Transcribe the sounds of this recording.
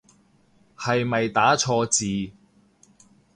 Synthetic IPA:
hɐ˨jmɐ˨jt̪aː˨˥t͡ʃʰɔː˧t͡siː˨

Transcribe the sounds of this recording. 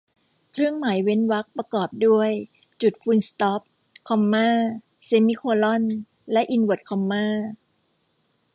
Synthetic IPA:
kʰɾɯ˥˩əŋma˩˦jwe˦˥nwa˦˥k̚pɾa˧kɔː˨˩p̚du˥˩əjt͡ɕu˨˩t̪̚fʰuː˧nst̪ɔ˦˥p̚kʰɔ˧mːaː˥˩ | se˧mi˧˥˩kʰoː˧lɔ˥˩n | lɛ˦˥ʔi˧nwɯ˨˩t̪̚kʰɔ˧mːaː˥˩

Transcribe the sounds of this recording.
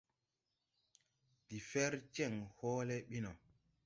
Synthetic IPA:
di˨fɛɾt͡ʃɛ˦˨ŋhɔːlɛɓi˦nɔ˨

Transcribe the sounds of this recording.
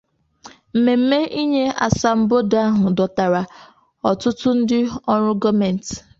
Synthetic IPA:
m̩˨me˨m̩˦me˦ʔi˦ɲe˦a̰˨sa˨m̩˨bo˦da˦ɦʊ˨dɔ˨ta˨ɾa˨ | ɔ˨tʊ˦tʊ˦n̩˦dɪ˦ɔ˦ɾʊ˦ɡɔ˦me˨n̩˨t

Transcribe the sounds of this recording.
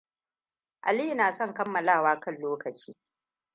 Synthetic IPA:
ʔa̰˨li˦˨naː˨sɔ˦˨ŋkɐ˦mːɐ˨laː˦˨waː˦kɐ˦˨nloː˦kɐ˨t͡ʃiː˦

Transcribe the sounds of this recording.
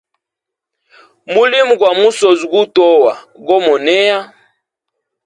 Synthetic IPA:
mu˦li˦mu˨kwa˨mu˦so˨zu˨ɡu˦tɔ˦wa˨ | ɡɔ˦mɔ˨nɛ˦ja˦

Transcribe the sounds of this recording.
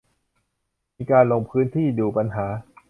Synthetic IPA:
miː˧kaː˧nlo˧ŋpʰɯː˦˥nt̪ʰiː˥˩duː˧pa˧nɦaː˩˦

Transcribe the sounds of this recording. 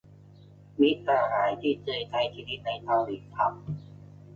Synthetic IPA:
mi˦˥saː˧ɦaː˩˦jt̪ʰiː˥˩t͡ɕɤː˧t̪ʰa˧jt̪ʰiː˧d̪i˦˥t̪̚na˧jt̪ʰa˧wliː˩t̪ʰa˦˥m̚

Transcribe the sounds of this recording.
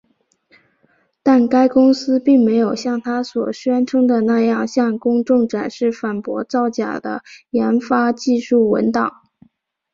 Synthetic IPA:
t̪a˥˩nka˥ɪkʊ˥ŋsɹ̩˥pi˥˩ŋme˧˥ɪjo˨˩ʊɕjɑ˥˩ŋt̪ʰa˥swɔ˨˩ɕɥɛ˥nʈ͡ʂʰɤ˥ŋd̪ə˨na˥˧jɑ˥˧ŋɕjɑ˥˩ŋkʊ˥ŋʈ͡ʂʊ˥˩ŋʈ͡ʂa˨˩nʂɻ̩˥˩fa˨˩npwɔ̰˧˥t͡sɑ˥˩ʊt͡ɕja̰˨˩d̪ə̰˦jɛ˧˥nfa˥t͡ɕi˥˧ʂu˥˩wə̰˧˥nt̪ɑ̰˨˩˦ŋ

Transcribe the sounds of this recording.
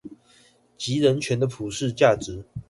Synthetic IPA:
t͡ɕi˨˥ɻə˧˥nt͡ɕʰɥɛ˧˥nd̪ə˧pʰu˨˩ʂɻ̩˥˧t͡ɕja˥˩ʈ͡ʂɻ̩˨˥

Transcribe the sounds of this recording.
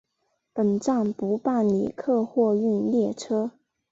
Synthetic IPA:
pə˨˩nʈ͡ʂɑ˥˩ŋpu˧˥pa˥˩nlḭ˨˩kʰɤ˥˧xwɔ˥˧y˥˧nljɛ˥˩ʈ͡ʂʰɤ˥

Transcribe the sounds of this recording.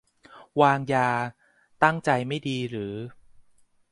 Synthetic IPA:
waː˧ŋjaː˧ | t̪a˥˩ŋt͡ɕa˧jma˥˩jdiː˧ɾɯː˩˦

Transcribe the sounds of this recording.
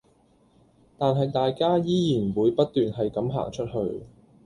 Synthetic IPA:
t̪aː˨nɦɐ˨jt̪aː˨jkaː˥jiː˥jiː˨˩nwuː˨˧jpɐ˥t̚t̪ːyː˨nɦɐ˨jkɐ˨˥mɦa̰ː˨˩ŋt͡ʃʰɵ˥t̚ɦɵ˧ɥ

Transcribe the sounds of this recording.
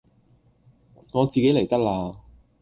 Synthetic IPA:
ŋɔː˨˧t͡siː˨ke˨˥jle˨˩jt̪ɐ˥k̚laː˧

